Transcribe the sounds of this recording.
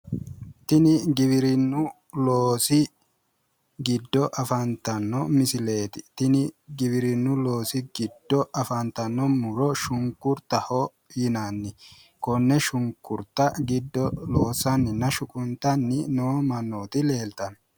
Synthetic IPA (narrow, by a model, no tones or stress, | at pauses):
t̪ɪnɪɡɪβɪɾɪnːʊ | loːsɪ | ɡɪd̪ːɔʔɐfɐnt̪ɐnːɔmɪsɪle̞ːt̪ɪ̥t̪ɪnɪɡɪβɪɾɪnːʊlo̞ːsɪɡɪd̪̥ːɔʔɐfɐnt̪ɐnːɔmʊɾɔʃʊŋkːʊɾt̪ɐhɔ | jɪnanːɪ | kɔnːɛʃʊŋkːʊɾt̪ɐɡɪd̪ːɔloːsɐnːɪnːɐʃʊkʼʊnt̪ɐnːɪnoːmɐnːoːt̪ɪle̞ːlt̪ɐn